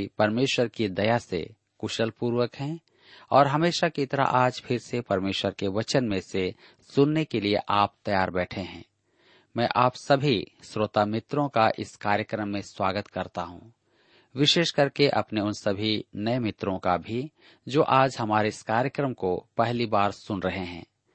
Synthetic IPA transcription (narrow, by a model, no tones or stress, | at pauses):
pɐɾmeːʃwəɾkid̪ɐjasḛ | kʊʃəlpuːɾwəkɦɛ̃ | ɔːɾɦɐmeːʃakit̪ɐɾa̰ʔaːd͡ʒpʰɪɾsepɐɾmeːʃwəɾkeʋɐt͡ʃənmẽse | sʊnːekeliḛʔaːp̚t̪ɐjaːɾbɛːʈʰeɦɛ̰̃ː | mɛ̃ːʔaːpsɐbʱisɾoːt̪amɪt̪ɾõkaʔɪskaːɾjəkɾəmːẽswaːɡət̪kɐɾt̪aɦṵ̃ | ʋɪʃeːʃkɐɾkeʔɐ̰pneʊnsɐbʱinɐemɪt̪ɾõkabʱi | d͡ʒoːʔaːd͡ʒɦɐmaːɾeɪskaːɾjəkɾəmkopɛɦlibaːɾsʊnɾɐɦeɦɛ̰̃ː